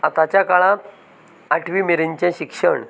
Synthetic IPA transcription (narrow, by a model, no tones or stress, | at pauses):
at̪at͡ɕjakaɭãː | ʈʰʋiːmeɾeɲt͡ɕjãɕikʂəɳ